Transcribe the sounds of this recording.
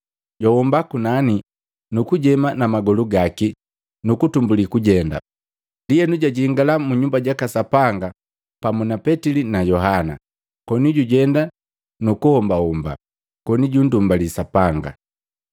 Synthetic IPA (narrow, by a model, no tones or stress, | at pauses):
ɟɔwɔmbakunani | nukuɟɛmanamaɡɔluɡaki | nukutumbulikuɟɛnda̰ | diɛnuɟaɟiŋɡalamuɲumbaɟakasapaŋɡa | pamunapɛtilinajɔɦana̰ | kɔniɟuɟɛnda | nukuhɔmbahumba̰ | kɔniɟundumbalisapaŋɡa̰